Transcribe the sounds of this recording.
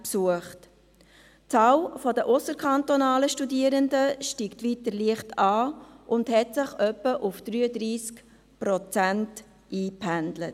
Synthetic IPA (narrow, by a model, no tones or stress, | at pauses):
psuəχt | t͡sɑːlfɔdəʔʊsəɾkʰɑntonɑːləʃtudiəɾəndəʃtiːktʋitəɾliəχtɑːʔʊndhɛtsɪχœpːəʔufd̥ɾyːədɾiːsk | pɾɔt͡sænt | iːphændlət